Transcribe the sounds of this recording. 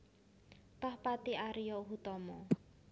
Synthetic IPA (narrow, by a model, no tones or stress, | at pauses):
t̪ɔhpat̪iʔaɾijɔɦut̪ɔmɔ